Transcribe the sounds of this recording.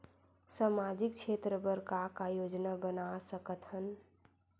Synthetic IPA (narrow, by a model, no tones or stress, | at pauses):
samad͡ʒikt͡ʃʰet̪ɾəbəɾkakajod͡ʒnabənasəkət̪ɦən